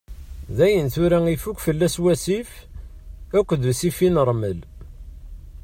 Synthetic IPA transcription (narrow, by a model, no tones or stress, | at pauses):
ðæjənθuɾæifukʷːfəlːæswæsif | ækʷːðvsifinəɾˤməl